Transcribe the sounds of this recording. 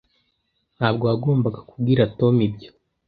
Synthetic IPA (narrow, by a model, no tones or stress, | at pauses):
n̥haːbɡoaɡoːmbaɡḁkub̚ɡiɾato̞mibjo̥